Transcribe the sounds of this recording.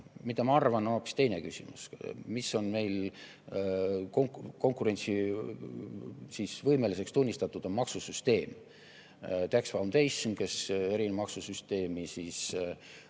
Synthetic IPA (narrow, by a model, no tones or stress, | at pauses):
mid̪ɑmɑɑrvɑnooːpi̥st̪e̞jnekysʲḭmṵsmisːo̞nme̞jl | koŋko̞ŋkˑuɾe̞nʲt̪si | sisvɤjmelise̞kst̪unʲːist̪ɑt̪ːˑud̪̥o̞nmɑksusyst̪e̞ːm | t̪æksvɑumt̪ejske̞se̞ɾinemɑksusyst̪e̞ːmisiːs